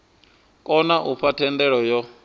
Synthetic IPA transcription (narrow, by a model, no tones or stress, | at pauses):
kʼɔnaʔufʰatʰɛnd̪ɛɺɔjɔ